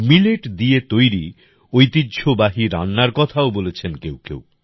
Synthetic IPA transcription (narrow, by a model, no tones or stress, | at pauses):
mileʈd̪iet̪ojɾi | ojt̪idːd͡ʑʰʱobaɦiɾa̰nːaɾkɔt̪ʰaobolet͡ɕʰenkewkḛw